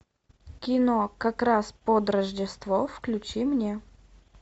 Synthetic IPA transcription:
kʲɪnokɐkɾaspod̪rəʐdʲɪst̪vofklʲʉt͡ɕimnʲe

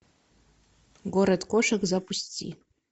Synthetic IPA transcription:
ɡoɾɐd̪kʷoʂɐkzapustʲʰḭ

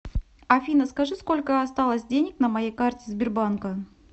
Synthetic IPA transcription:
ɐfʲinəskɐʐɨsko̞lʲkəɐst̪alˠəsʲdʲenʲɪknəmɐjejkartʲɪzbʲɪrbankə

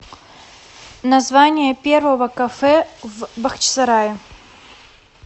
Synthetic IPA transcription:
nɐzvanʲɪjəpʲe̞rvəvəkɐfɛvbɐxt͡ɕsɐɾajɪ

